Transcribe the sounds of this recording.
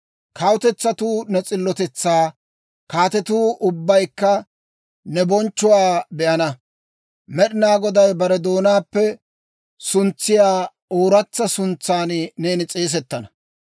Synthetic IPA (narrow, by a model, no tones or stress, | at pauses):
kɐwʊt̪ɛt͡sːɐt̪uːnɛt͡sʼɪlːɔt̪ɛt͡sːaː | kaːt̪ɛt̪uːʔʊbːɐjkːɐ | nɛbɔnt͡ʃːʊwaːbɛʔɐnɐ | mɛɗɪnaːɡɔd̪ɐjbɐɾɛd̪o̞ːnaːpːɛ | sʊnt͡sːɪjaː | oːɾɐt͡sːɐsʊnt͡saːnneːnɪt͡sʼeːs̬ɛt̪ːɐnɐ